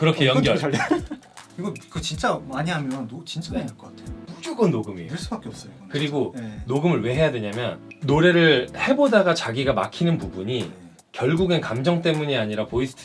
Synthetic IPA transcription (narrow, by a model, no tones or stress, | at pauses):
kɯɾʌkʰejʌnɡjʌ | kɯɾiɡokɯt͡ɕint͡ɕ͈amaɲiɦamjʌnʌnot͡ɕint͡ɕ͈anaaɭk͈ʌk͈atʰeomud͡ʑuɡɯnːoɡɯmḛɯɭs͈ubak͈eʌp̚s͈ʌjokɯɾiɡonoɡɯmɯɭwe̞ɦe̞jadwe̞ɲamjʌnnoɾe̞ɾɯɭhe̞bodaɡat͡ɕaɡiɡama̰kʰinɯnpubuɲi | kjʌɭɡuɡenkamd͡ʑʌŋt͈e̞muɲiaɲiɾapoisʰɯ̥tʰ